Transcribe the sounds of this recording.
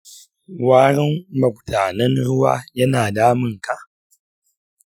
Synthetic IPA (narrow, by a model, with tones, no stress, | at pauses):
waː˦ɾɪ˦mmɐ˨k̚tʰaː˨nɐ˦nɾʊ˦wa̰˦jɐ˦naː˨daː˦mɨ˦ŋka˦